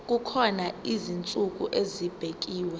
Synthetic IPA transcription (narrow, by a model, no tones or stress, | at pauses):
k̬ʼukʰɔnaizint͡sʼuk̬ʼuʔezib̥ʱek̬ʼiːwɛ